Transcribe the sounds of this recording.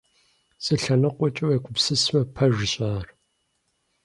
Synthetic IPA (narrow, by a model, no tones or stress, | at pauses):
sʼɨɬɐnɨqʷɔt͡ʃʼɐwekʷʰʊpsɨsmɐpʰɐʒɪɕʼaːr